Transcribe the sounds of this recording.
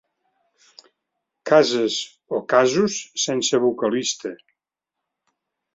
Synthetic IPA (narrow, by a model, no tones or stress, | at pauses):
kazəz | okazusːensəβukəlist̪ə